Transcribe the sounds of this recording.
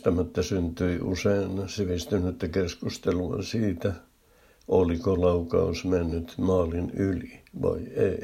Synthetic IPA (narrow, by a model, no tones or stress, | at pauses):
t̪æmæt̪ːæsynt̪yiʔṵseinsiʋist̪ynyt̪ːækeskust̪eluɑ̰nsiːt̪æ | olikolɑukɑ̰usmenːyt̪mɑːlinyliʋɑ̰iei